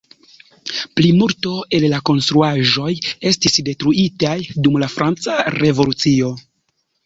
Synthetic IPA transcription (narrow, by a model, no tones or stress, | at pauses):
plimulto̞e̞llako̞nstɾuaʒo̞je̞stisde̞tɾuitajdumlafɾant͡saɾe̞vo̞lut͡sio̞